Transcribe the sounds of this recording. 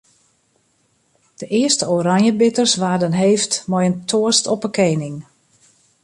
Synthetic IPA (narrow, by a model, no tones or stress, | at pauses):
d̥əʔɪəstəoɾanjəbɪtərsʋaːdənɦeːftmɔjəntʰoəstɔpəkʰeːnɪŋ